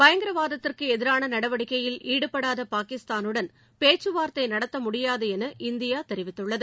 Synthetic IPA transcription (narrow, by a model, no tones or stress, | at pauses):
bɐjɐŋɡɪɾɐʋaːðɐt̪ːɪrkɯɛðɪɾaːnɐnɐɽɐʋɐɽɪkːɐjɪliːɽɯpːɐɽaːðɐpaːkɪst̪aːnɯɽɐn | peːt͡ʃːɯʋaːɾt̪ɐɪnɐɽɐt̪ːɐmʊɽɪjaːðɐɛnɐʔɪnd̪ɪjaːt̪ɛɾɪʋɪt̪ːɯɭːɐðɯ